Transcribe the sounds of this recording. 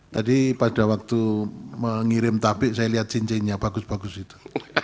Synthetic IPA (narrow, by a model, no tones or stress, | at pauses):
t̪adipadawak̚t̪uməŋiɾɪmt̪apɪʔsajaliɦat̪̚siɲt͡ʃɛɲɲab̥aɡʊsb̥aɡʊsit̪u̥